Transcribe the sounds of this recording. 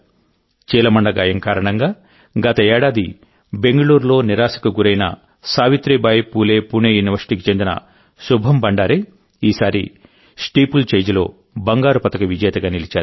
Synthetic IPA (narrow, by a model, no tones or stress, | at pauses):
t͡ʃiːlɐmɐɳɖɐɡaːjɐŋkaːɾɐɳɐŋɡaː | ɡɐt̪ɐeːɽaːd̪i | be̞ŋɡɐɭuːɾlo̞ːniɾaːʃɐ̥kɐɡuɾɐjnɐ̰ | saːʋit̪ɾeːbaːjɐpuːleːpuneːjuniʋɐɾsi̥ʈiːkit͡ʃe̞nd̪inɐ̰ | ʃubʱɐmbɐɳɖaːɾeː | iːsaːɾḭ | sʈiːpult͡ʃeːd͡ʒɐlo̞̰ː | bɐŋɡaːɾupɐt̪ɐkɐʋid͡ʒɐːt̪ɐɡaːnilit͡ʃaːɾu